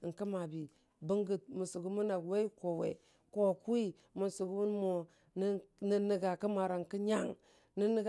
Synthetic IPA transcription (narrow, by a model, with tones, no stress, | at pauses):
ŋ̩˨kə˦ma˨bi˨ | bə˦ŋɡə˨t̚mu˨su˨ɡu˦mu˦na˨ɡwe˦i˦ko˨wḛ˨ | ko˨ku˦i˦ | mu˨su˨ɡu˦mu˦nmo˨ | n˦nə˦nə˨ɡa˨kə˦ma˨ɾa˨ŋkə˦ɲa˦ŋ | nə˦nə˦ɡ